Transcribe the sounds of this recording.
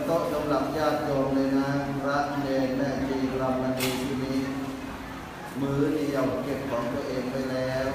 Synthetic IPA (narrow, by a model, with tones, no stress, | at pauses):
t̪o˥˩ʔsa˨˦mla˨˩p̚jaː˥˩t̪̚t͡ɕoː˧nlɤː˧jna˦˥ɾa˦˥ʔleː˧˩nlɛ˧˩miː˧la˧mʔa˧ndiː˧t̪ʰiː˧˩niː˦˥ʔ | mɯː˦˥ni˨˩ə˩wke˨˩p̚kʰɔː˩˦ŋt̪u˧ɐʔeː˧ŋpa˧jlɛː˦˥w